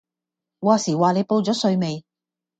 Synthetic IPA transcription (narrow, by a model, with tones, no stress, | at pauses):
waː˨siː˨˩waː˨ne˨˧jpo˧wt͡sɔː˨˥sɵ˧ɥme˨˧j